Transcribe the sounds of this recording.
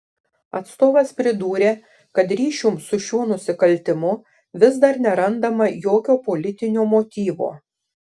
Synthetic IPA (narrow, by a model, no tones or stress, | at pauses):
ɐt̪st̪oːʋɐspʲɾʲɪd̪uːɾʲeː | kɐt̪ɾʲiːʃʲuːmsʊʃʲuɔnʊsʲɪkɐlʲt̪ʲɪmʊ | ʋʲɪzd̪ɐɾnʲɛɾɐnd̪ɐmɐjoːkʲoːpɔlʲɪt̪ʲɪnʲoːmoːt̪ʲiːʋo̰ː